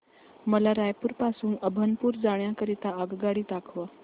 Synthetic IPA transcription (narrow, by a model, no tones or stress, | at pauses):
məlaɾajpuːɾpasuːnəbʱənpuːɾd͡zaɳjakəɾit̪aəɡɡaɽiːt̪akʰʋa